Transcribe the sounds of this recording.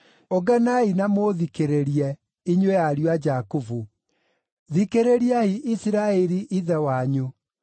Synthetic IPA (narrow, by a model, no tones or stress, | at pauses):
oɡanainamoðikeɾeɾiɛ | iɲwejaɾiwad͡ʒakuvu | ðikeɾeɾiahiʔisiɾaɛɾiʔiðɛwaɲu